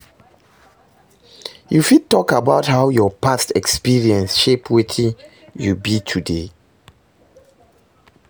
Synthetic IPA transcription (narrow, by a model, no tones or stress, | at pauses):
jufid̚tɔkabaʊthaʊjɔpastɛkspiɹiɛ̃nsʃepwetʰĩn | jubitʰude